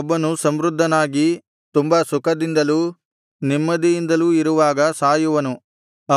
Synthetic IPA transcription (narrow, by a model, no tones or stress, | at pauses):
bːɐnusɐmɾud̪ʱːɐnaːɡi | t̪umbɐsukɐd̪ind̪ɐluː | nimːɐd̪ijind̪ɐluːiɾuʋaːɡɐsaːjuʋɐnu